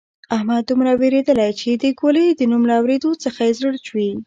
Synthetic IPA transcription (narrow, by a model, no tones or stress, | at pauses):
ahmad̪̚ːumɾaweɾed̪əlajt͡ʃed̪əkoləd̪ənumlaːwɾed̪ot͡səxajezəɽt͡ʃwi